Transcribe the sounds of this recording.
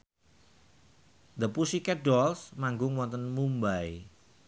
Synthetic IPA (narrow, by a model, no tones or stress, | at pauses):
d̪əpusikɛɖɔlsmaŋɡʊŋwɔnt̪ənmumbaj